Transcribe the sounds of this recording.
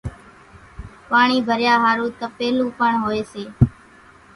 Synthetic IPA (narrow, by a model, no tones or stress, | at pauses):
paːɳiːbʱəɾjaːɦaːɾũːt̪əpeːlũːpəɳɦoːeːseː